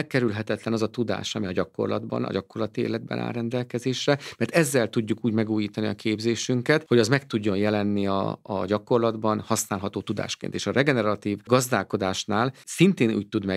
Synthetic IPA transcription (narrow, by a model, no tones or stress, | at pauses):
lkɛɾylɦɛt̪ɛt̪lɛnɒzɒt̪ud̪a̰ːʃɒmiɒɟɒko̞̰rlɒ̰d̪bɒ̰nɒ̰ɟɒko̞rlɒt̪iḛːlɛd̪̚bɛ̰nʔa̰ːrɾɛnd̪ɛlkɛzeːʃrɛmɛrt̪ɛzːɛlt̪uɟːukuːɟmɛɡuːjiːt̪ɒniɒkeːbzeːʃyŋkɛt̪ho̞ɟɒzmɛkt̪uɟːo̞njɛlɛnːiɒ̰ːɟɒko̞rlɒd̪bɒnhɒsnaːlɦɒt̪oːt̪ud̪a̰ːʃkḛːnt̪eːʃɒrɛɡɛnɛɾɒt̪iːvɡɒzd̪aːlko̞d̪aːʃnaːlsint̪eːnṵːc̚t̪ud̪mɛ